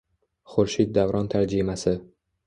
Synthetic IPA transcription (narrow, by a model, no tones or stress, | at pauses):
χʊɾʃit̪̚d̪avɾɒnt̪ʰaɾd͡ʒimasɪ